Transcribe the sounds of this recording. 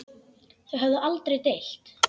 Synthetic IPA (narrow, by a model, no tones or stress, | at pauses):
θœɛɦɛvðʏʔalt̪ɾejt̪ejl̥t̪